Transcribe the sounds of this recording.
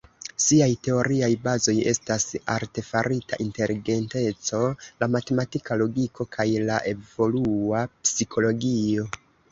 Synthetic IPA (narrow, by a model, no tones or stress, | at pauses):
siajte̞o̞ɾiajbazo̞je̞̰stasa̰ɾte̞faɾita̰ʔinte̞liɡe̞nte̞t͡so̞lamate̞matikalo̞ɡikʰo̞kʰajlaʔe̞vo̞luapsikʰo̞lo̞ɡio̞